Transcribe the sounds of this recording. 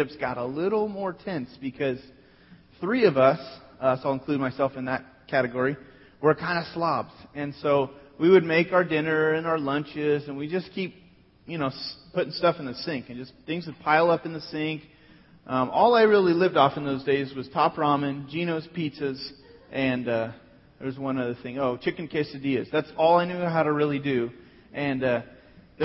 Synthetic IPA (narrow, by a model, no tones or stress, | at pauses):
ɪpsɡ̥ɑɾəlɪɾl̩ˠmɔɹtʰɛ̃nsb̥ɨkʰʌz̥ | θɹiʌvʌsslˠə̃nkʰl̥ʉd̚maɪsɛlˠfɨ̃nðɨt̚ | kʰæɾɨɡɔɹi | wə˞kʰãɪ̃ndɨslɑbz̥ɨ̃nsoʊwiwɨd̚meɪkaʊə˞dɪ̃nə˞ɨ̃naʊə˞lʌ̃nt͡ʃɪzɨ̃nwid͡ʒʌskʰip̚ | jɨñoʊspʰʊɾɪ̃ŋstʌfn̩ðɨsɪ̃ŋkɨ̃nd͡ʒʌsθɪ̃ŋzwɨv̥pʰaɪlˠʌpnðɨsɪ̃ŋk | ʔʌ̃mʔɔlˠaɪɹɪlˠilɪvdɔfɨ̃n̩ðoʊzdeɪzwʌz̥tʰɑpɹɑmɨ̃nd͡ʒĩñoʊz̥pʰisɨz̥ʔɨ̃nʌ | ðə˞zwʌ̃nʌvðɨθɪ̃ŋoʊt͡ʃʰɪkɨ̃nkʰeɪsɨdiɨzðætsɔlˠaɪnʉɦaʊɾɨɹɪlˠidʉ | ʔɨ̃nʌ | ð